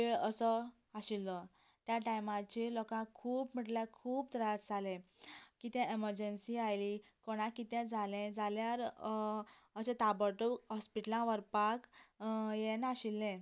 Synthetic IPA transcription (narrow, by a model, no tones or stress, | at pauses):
peɭəsə | aɕilːɔ | t̪jaʈajmãt͡ɕilɔkãkʰuːpm̤əʈljakʰuːbt̪ɾat͡sd͡zʱalẽkit̪ɛ̃ʔeməɾd͡ʑənsiajlikɔɽ̃ãkit̪ɛ̃d͡zʱalẽd͡zaljaɾ | əsẽt̪abəʈuɦɔspiʈlãʋəɾpak | jenaɕilːɛ̃